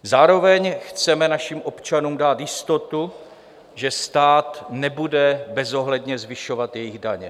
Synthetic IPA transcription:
zaːɾo̞vɛɲxt͡sɛmɛnaʃimʔo̞pt͡ʃanuːmdaːt̪jɪst̪o̞t̪u | ʒɛst̪aːt̪nɛbudɛbɛzo̞ɦlɛdɲɛzvɪʃo̞vat̪jɛjɪɣdaɲɛ

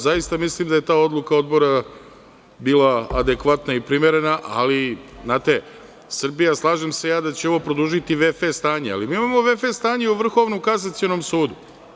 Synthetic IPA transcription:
zajist̪amislimd̪aje̞t̪aːo̞d̪lˠukao̞d̪bo̞ɾa | biːlaːd̪e̞kʋat̪naipɾime̞ɾe̞naʔaliznaːt̪e̞ | sr̩bijaslˠaːʒemse̞jaːd̪at͡ɕeo̞ʋo̞pɾo̞d̪uʒit̪iʋefest̪aːɲea̰limiːimamo̞ʋefest̪aːɲeuʋr̩xo̞ʋnukas̬at̪sio̞no̞msuːd̪u

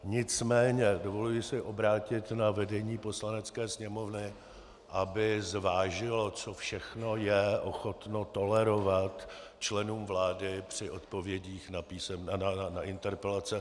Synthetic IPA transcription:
ɲɪt͡smɛːɲɛdovo̞lujɪsɪʔo̞bɾaːcɪt̪navɛdɛɲiːpo̞slanɛt͡skɛːsɲɛmo̞vnɪ | ʔabɪzvaːʒɪlot͡so̞fʃɛxno̞jɛʔo̞xot̪no̞t̪o̞lɛɾo̞vat̪ | t͡ʃlɛnuːmvlaːdɪpr̝̥ɪʔo̞t̪po̞vjɛɟiːxnapiːsɛmnnaanaʔɪnt̪ɛɾpɛlat͡sɛ

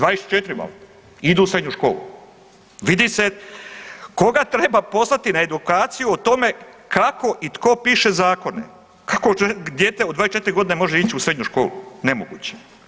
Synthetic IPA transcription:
d̪ʋaːɾest͡ʃet̪iɾima̰ | id̪uːsɾe̞d̪ɲuʃko̞̰ːlṵ | ʋid̪ise | ko̞ɡat̪ɾe̞bapo̞slˠat̪inae̞d̪ukaːt̪sijuot̪o̞me̞kako̞ʔit̪ko̞piːʃe̞zaːko̞nḛ | kakoed̪jet̪eod̪ʋaːest͡ʃe̞t̪iɾiɡo̞d̪inemo̞ʒeiːt͡ɕiusɾe̞d̪ɲuʃko̞ːlṵnemoɡṵːt͡ɕe̥

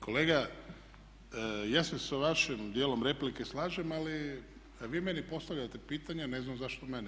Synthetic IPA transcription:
kʰo̞leːɡa | jaːsesaʋaʃimd̪jeːlˠomɾe̞plike̞slˠaːʒemali | ʋiːmenipo̞st̪aʋʎat̪e̞piːt̪aɲane̞znamzaʃt̪omeni

